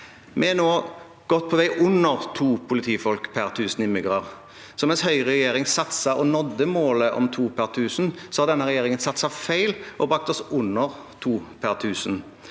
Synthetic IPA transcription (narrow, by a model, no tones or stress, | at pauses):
mʔɛnoː | ɡ̥ɔt̪̚ːpʰɔʋæɪʔʊnːəʁt̪ʰuːpʰʊlɪt̪ʰiːfɔlkpʰæʁt̪ʰʉːsn̩ɪmːɪɡʁɑʁ | sɔmɛshœʏʁɛjeːɾɪŋsɑt̪sɑʔɔnɔd̪ːəmoːləʔɔ̰mt̪ʰuːpʰæʁt̪ʰʉːsn̩sɔhɑd̪ɛnːəʁɛjeːɾɪŋənsɑt̪sɑfæɪlʔɔbʁɑk̚t̪ɔsʊnːəʁt̪ʰuːpʰæʁt̪ʰʉːsən̩